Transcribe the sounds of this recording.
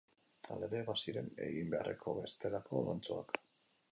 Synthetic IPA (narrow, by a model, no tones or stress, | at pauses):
t̪ʰa̰leɾeːβasiɾe̞ne̞̰ɣimbe̞a̰rḛkʰo̞βe̞st̪e̞lakʰo̞lant͡soak